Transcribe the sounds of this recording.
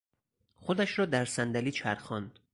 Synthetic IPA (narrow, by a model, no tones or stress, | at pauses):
xod̪æʃɾɒːd̪æɾsænd̪æliːt͡ʃʰæɾxɒnd̪̥